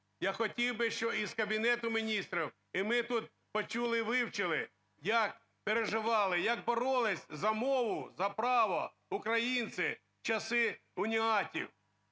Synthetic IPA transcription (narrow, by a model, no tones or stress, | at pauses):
jaxɔtʲiwbɪʃt͡ʃɔizkɐbʲinɛt̪ʊmʲinʲist̪ɾiw | imɪt̪ut̪̚ | pɔt͡ʃulˠɪʋɪwt͡ʃɪlˠɪ | jɐk̚ | peɾeʒɪʋɑlˠɪjɐɡ̚bɔɾɔlˠɪsʲzɐmɔʋʊzɐpɾɑʋɐ̰ | ukɾɐjint̪sɪ | t͡ʃɐsɪʊnʲiɦɑtʲḭw